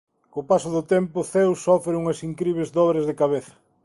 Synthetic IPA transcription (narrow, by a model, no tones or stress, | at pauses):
kopasʊðʊt̪empʊθewsɔfɾeuŋɐsiŋkɾiβ̞ezd̪ɔβɾɐzðekaβeθɐ̥